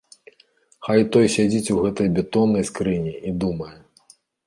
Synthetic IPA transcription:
xajt̪ɔjsʲad͡zʲit͡sʲuɣɛt̪ɐjbʲɛt̪ɔnːɐjskɾɨnʲiʔid̪umɐjɛ

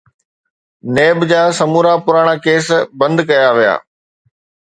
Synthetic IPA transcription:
neːbd͡ʑaːsɐmuːɾapʊɾaːɽ̃akeːsbɐ̃nd̪kɐjaʋija̰ː

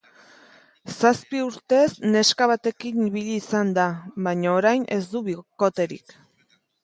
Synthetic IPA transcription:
saspiuɾt̪e̞sne̞skaβat̪e̞kiniβiʎiːsand̪aβajɲaoɾajne̞zd̪uβiko̞t̪e̞ɾḭk

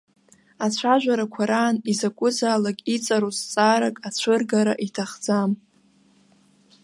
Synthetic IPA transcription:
at͡ɕʷʰaʒᶣʷaɾakʷʰaɾaːnizakʷʼʊzaːlakʼit͡sʼaɾost͡sʼaːɾakʼat͡ɕʷʰɨrɡaɾaʔitʰaχd͡zam

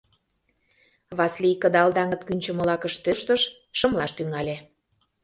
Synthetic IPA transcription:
βɑslʲikəd̪ɑld̪ɑŋə̆t̪kynʲt͡ɕə̆mə̆lɑkəʃt̪øʃt̪əʃː | ə̆mlɑʃt̪yŋɑlʲe

